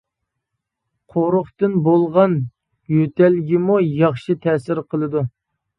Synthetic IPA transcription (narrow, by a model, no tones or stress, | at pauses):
qʰoɾʊχt̪ɨnbolˠʁɑn | jøt̪ʰɛlɡʲimujɑχʃɨt̪ʰɛsɪɾqʰəlˠɨd̪u